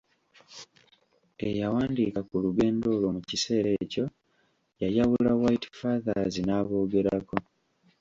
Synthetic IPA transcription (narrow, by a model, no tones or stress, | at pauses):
e̞jawaːndikakuluɡe̞ːndo̞ːlo̞mucise̞ːɾe̞ːco̞ | jajawulawaiti̥faːðazinaːβo̞ːɡe̞ɾako̞